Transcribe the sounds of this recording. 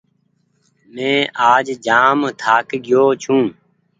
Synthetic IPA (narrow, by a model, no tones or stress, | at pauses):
mẽːʔaːd͡ʒd͡ʒaːmt̪ʰaːkɡɪjoːt͡ʃʰũː